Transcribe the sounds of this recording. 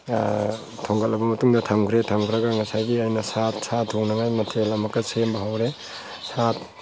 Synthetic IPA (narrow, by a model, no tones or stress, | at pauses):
tʰoŋɡɐlɐbɐmɐtuŋdɐtʰamkʰɾetʰamkʰɾɐɡaŋɐsajɡiajnɐsat̚satʰːoŋnaŋajmɐtʰelɐmɐkːɐsembɐɦawɾe | sat̚